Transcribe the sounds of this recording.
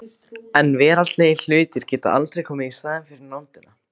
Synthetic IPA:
ɛnvɛːɾat̪leːjɪl̥ʏːɥt̪ɪɾ̥cɛːt̪a̰ʔa̰lt̪ɾejkʰɔːmɪðisaːðɪnfɪɾɪɾnawnt̪ɪna

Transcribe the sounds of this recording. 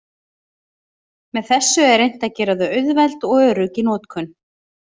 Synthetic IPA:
mɛðθɛsːʏɛɾejn̥t̪acɛːɾaðʏœɥðvɛjlt̪ɔɣœːɾʏcɪnɔːt̪kʰʏn

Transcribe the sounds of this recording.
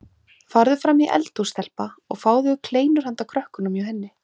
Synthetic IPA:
faɾðʏfɾamiʔɛ̰lt̪ust̪ɛl̥paɔ̰ɣfaːwðʏʏkʰleːjnʏɾ̥hant̪awkʰɾœhkʏnʏmjawhɛnːɪ

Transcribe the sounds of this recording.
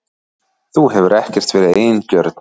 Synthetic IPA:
θuɦɛvʏɾɛhcɛr̥t̪vɛːɾɪeːjncœɾt̪

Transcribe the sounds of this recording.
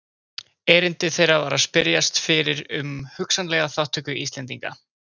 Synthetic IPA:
ɛːɾɪnt̪ɪθejɾavaːɾaðspɪɾjast̪fɪɾɪɾʏmhʏksanlɛːɣaθawht̪ʏkʏʔist̪lɛnt̪iŋka̰

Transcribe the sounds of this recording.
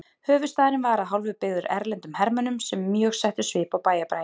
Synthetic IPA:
hœːvʏst̪aːðɪɾɪnvaːɾaɦawlvʏpɪɣðʏɾɛ̰ɾlɛnt̪ʏmhɛɾmœnʏmsɛmːjœːɣsajht̪ʏ̥svɪːpawpaːjapɾaːj

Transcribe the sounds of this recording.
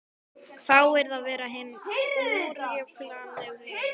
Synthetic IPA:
θawɛɾðaðvɛːɾaɦɪnː | ɾɛklaɛɣðɪ

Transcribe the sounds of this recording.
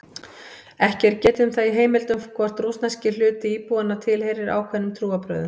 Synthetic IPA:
ɛhcɛɾ̥cɛːt̪ʏmθaðiɦeːjmɪlt̪ʏmkʰvɔr̥t̪rusnascɪlʏːt̪ɪiːpuːanat̪ʰɪlhejɾɪɾa̰wkʰvɛnːʏmt̪ʰɾuːapɾœ̰ðʏm

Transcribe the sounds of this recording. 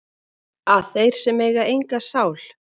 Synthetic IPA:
aðθejɾ̥sɛmejɣaejŋkasaːwl

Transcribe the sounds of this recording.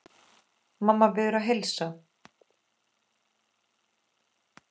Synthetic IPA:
mamːavɛːðʏɾaðɦejlsa

